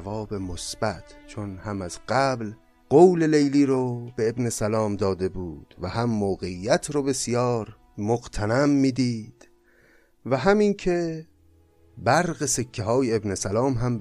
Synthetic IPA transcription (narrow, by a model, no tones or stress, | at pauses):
vɒːbemosb̥æt̪ʰt͡ʃʰonhæmæzɢæbl | ɢ̥owlelejliːɾobe̞ebne̞sælɒːmd̪ɒːd̪e̞buːd̪̥væhæmːoːɣeijːæt̪ʰɾobe̞sjɒːɾ | moɡt̪ʰænæmːiːd̪iːd̪̥ | væɦæmincʰe̞ | bæɾɣesekʰːeɦɒːjeebne̞sælɒːmɦæm